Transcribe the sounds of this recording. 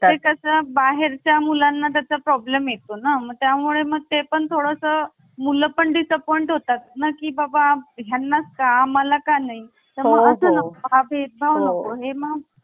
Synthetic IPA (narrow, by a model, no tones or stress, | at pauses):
tekəsabaɦeɾt͡ɕjamulanːat̪jat͡ɕapɾɔblemjet̪onaməɡ̚t̪jamuɭeməɡ̚t̪epəɳt̪ʰoɽəsə | muləpəɳɖisəpɔiɳʈɦot̪at̪̚nakiːbabaɡʱjanːaskaːməlakanaɦi | t̪əɾməɡəsənəkoabʱet̪̚bʱaʋnəkoɦeməɡ